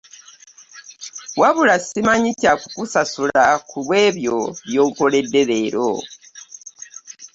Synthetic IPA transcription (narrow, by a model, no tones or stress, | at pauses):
waβulasimaɲitaku̥kusasulakuβwe̞ːβjo̞βjo̞ːŋkole̞dːe̞βe̞ːɾo̰